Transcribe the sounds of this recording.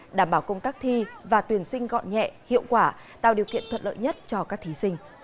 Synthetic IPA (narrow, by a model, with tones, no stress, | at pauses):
ɗaː˧˩mɓaː˧˩wkə˧wŋ͡mt̪aː˦˥k̚t̪ʰi˧vaː˨˩t̪wi˨˩ənsï˧ŋ̟ɣɔ̰˧˨nɲɛ̰˧˨hḭ˧˨əwkwaː˧˩ | t̪a̰ː˧˨wɗi˨˩əwkḭ˧˨ənt̪ʰwə̰˧˩t̚lə̰ː˧˨jɲə˦˥t̚t͡ɕɔ˧kaː˦˥k̚t̪ʰi˨˦sï˧ŋ̟